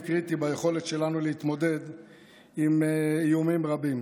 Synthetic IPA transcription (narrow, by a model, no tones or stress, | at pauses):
kʁit̪ibajeχo̞le̞t̪ʃe̞lanuleit̪mo̞d̪e̞d̪ | imːjumimʁabim